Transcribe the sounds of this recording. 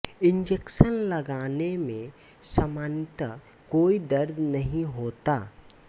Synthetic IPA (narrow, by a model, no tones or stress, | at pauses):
ɪ̃ɲd͡ʒeːkʃənlɐɡaːnemẽ | sɐmaːnt̪ə | koːid̪ɐɾd̪ʱnɐɦĩɦoːt̪aː